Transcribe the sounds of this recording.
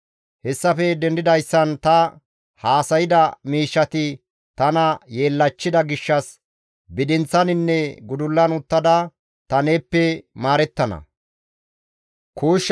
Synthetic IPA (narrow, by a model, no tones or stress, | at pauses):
hɛsːɐfɛd̪ɛnd̪ɪd̪ɐjsːɐnt̪ɐ | haːsɐjɪd̪ɐmiːʃːɐt̪ɪ | t̪ɐnɐjeːlːɐt͡ʃːɪd̪ɐɡɪʃːɐs | bɪd̪ɪnt͡sːɐnɪnːɛɡʊd̪ʊlːɐnʊt̪ːɐd̪ɐ | t̪ɐne̞ːpːɛmaːɾɛt̪ːɐnɐ̰ | kuːʃː